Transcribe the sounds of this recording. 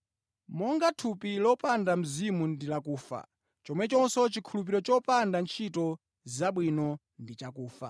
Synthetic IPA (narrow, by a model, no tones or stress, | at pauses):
mɔŋɡatʰupilɔpandam̩zimundilakuːfa̰ | t͡ʃɔmwɛt͡ʃɔnsɔt͡ʃikʰulup̬iɾɔt͡ʃɔpandant͡ʃʰitɔ | zaɓwinɔ | ndit͡ʃakuːfa̰